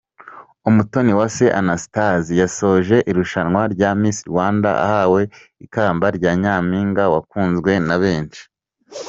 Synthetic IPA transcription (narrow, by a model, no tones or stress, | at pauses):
umuto̞niwaseʔanasi̥tazijaso̞ːʒe̞ʔiɾuʃanŋwaɾɟaːmiːsiɾwaːnda̰ʔa̰haːwe̞ | ikaːmbaɾɟaːɲaːmiːŋɡawakuːnzɡwe̞naβe̞ːnt͡ʃi̥